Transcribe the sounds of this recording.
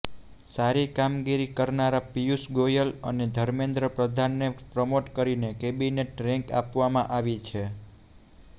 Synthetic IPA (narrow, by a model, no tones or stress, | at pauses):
saɾikamɡiɾikəɾnaɾapijusɡojələned̪ʱəɾmẽnd̪ɾəpɾəd̪ʱanːepɾəmoʈkəɾinekebineʈɾɛ̃ŋka̰pʋamãʔaʋit͡ʃʰe